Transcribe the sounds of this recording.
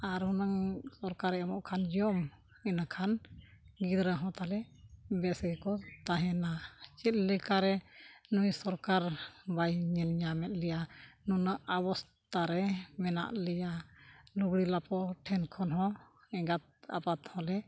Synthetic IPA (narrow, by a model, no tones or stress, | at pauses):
aɾhunaŋsɔɾkaɾɛɛmɔʔkʰand͡ʒiɔm | inakʰanɡid̪ɾaɦɔ̃t̪alɛbɛsɡɛkɔt̪aɦɛnat͡ʃɛt̪̚ˀlɛkaɾɛnujsɔɾkaɾbajɲɛnɲamɛt̪̚lɛjanunaʔabɔst̪aɾɛmɛna̰ʔlɛjaluɡɽilapɔʈʰɛnkʰɔnɦɔ̃ | ɛɡat̪̚a̰pat̪hɔ̃lɛ